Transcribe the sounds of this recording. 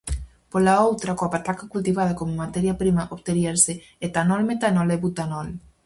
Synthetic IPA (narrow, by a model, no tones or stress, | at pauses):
polaowt̪ɾakoapat̪akakult̪iβað̞akomomat̪ɛɾjapɾimaʔoβt̪eɾiaɾse | et̪anɔlmet̪anɔlɛβut̪anɔl